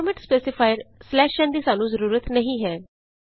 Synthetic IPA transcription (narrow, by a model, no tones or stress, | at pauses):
ɾmẽʈspeːsɪpʰaːɪɾslɛːʃɛ̃ːnd̪iːsaːnũːzəɾuːɾət̪nəɦĩːɦɛː